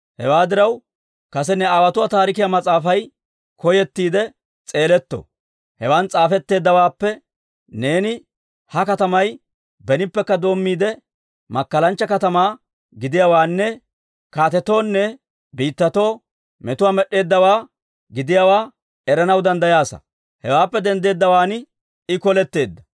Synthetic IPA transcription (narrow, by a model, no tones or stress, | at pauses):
hɛ̰waːd̪ɪɾɐw | kɐs̬ɛnɛaːwɐt̪ʊwaːt̪aːɾɪkɪjamɐt͡sʼaːfɐj | kɔjɛt̪ːiːd̪ɛ | t͡sʼe̞ːlɛt̪ːo̰ | hɛwant͡sʼaːfɛt̪ːe̞ːd̪ːɐwaːpːɛ | neːnɪ | hɐkɐt̪ɐmɐj | bɛnɪpːɛkːɐd̪o̞ːmːiːd̪ɛ | mɐkːɐlɐnt͡ʃːɐkɐt̪ɐmaː | ɡɪd̪ɪjawaːnːɛ | kaːt̪ɛt̪o̞ːnːɛ | biːt̪ːɐt̪o̞ː | mɛt̪ʊwaːmɛɗːe̞ːd̪ːɐwaː | ɡɪd̪ɪjawaː | ɛɾɐnɐwd̪ɐnd̪ɐjaːsɐ̰ | hɛwaːpːɛd̪ɛnd̪e̞ːd̪ːɐwaːnɪ | ɪkɔlɛt̪ːe̞ːd̪ːɐ̥